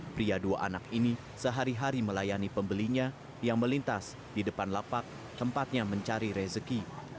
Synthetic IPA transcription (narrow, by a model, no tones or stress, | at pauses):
pɾiadua̰ʔa̰nakini | səɦaɾiɦaɾiməlajanipəmbəliɲa | jaŋməlint̪as | didəpanlapak̚ | t̪əmpat̪̚ɲaməɲt͡ʃaɾiɾɛzəki